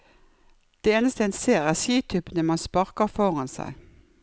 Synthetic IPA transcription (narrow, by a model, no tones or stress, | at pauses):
d̪̥eːeːnəst̪əeːnseːʁɪəsiːt̪ʰʏpənəmɑnspɑʁkəʁfɔʁɑnsæ̰ɪ